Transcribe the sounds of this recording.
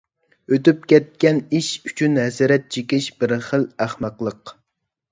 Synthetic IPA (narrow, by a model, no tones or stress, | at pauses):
øt̪yp̚kʲɛt̪̚kʲɛniʃyt͡ʃʰynɦɛsɾɛt̪̚t͡ʃʰekʲɪʃbɪɾχəlæχmɑqlˠəq